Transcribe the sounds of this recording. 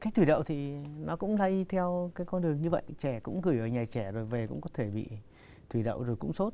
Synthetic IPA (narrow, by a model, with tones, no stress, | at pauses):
kaː˨˦˥k̚t̪ʰi˧˩ɗə̰˧˨wt̪ʰi˨˩nɔ˨˦kʊ̰˧˥ŋ͡mlaː˧˦ʔi˧t̪ʰɛ˧wkaː˨˦jkɔ˧nɗɨ˨˩əŋɲɨ˧və̰˧˨jt͡ɕɛ˧˩kʊ̰˧˥ŋ͡mɣɨ˨˩jʔəː˧˩ɲaː˨˩t͡ɕɛ˧˩zo˨˩jve˨˩kʊ̰˧˥ŋ͡mkɔ˨˦t̪ʰe˧˩ɓḭ˧˨ | t̪ʰwi˧˩ɗə̰˧˨wzo˨˩jkʊ̰˧˥ŋ͡mso˦˥t̚